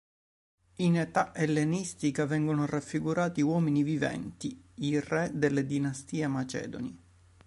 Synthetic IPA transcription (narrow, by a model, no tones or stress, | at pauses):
inet̪aʔelːenist̪ikavɛŋɡonorafːiɡuɾaːt̪iwɔːminivivɛ̰nt̪iirɛd̪elːed̪inast̪iːemat͡ʃɛ̰ːd̪o̰ni